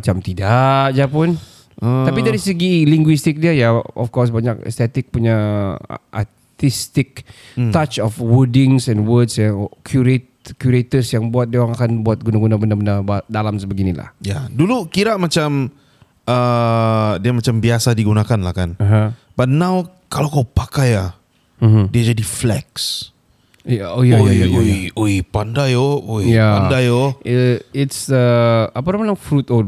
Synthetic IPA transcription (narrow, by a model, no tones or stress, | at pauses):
mat͡ʃamt̪idaʔd͡ʒapʊn | əapidaɾisəɡiliŋɡwist̪ɪk̚diəjaɔ̰fkɔs̬baɲakɛ̰st̪ɛt̪ɪk̚puɲa̰ | ʔa̰ | t̪ist̪ɪk̚ | t̪at͡ʃɔfwədɪŋsɛnwədsjakʰjuɾet̪ | kjuɾet̪əsjaŋbuat̪̚diawaŋakanbuat̪̚ɡunaɡunabəndabəndarbadalamsəbəɡinila̰hjadulukiɾaʔmat͡ʃam | ə | diamat͡ʃambiasadiɡunakanla̰hkanəɦã | b̥at̪̚naw | kalawkawpakaja | m̩diad͡ʒadiflɛ̰ks | jaojajajaoioipandajoojjaandajo | itsəapaɾamalaŋfɾut̪o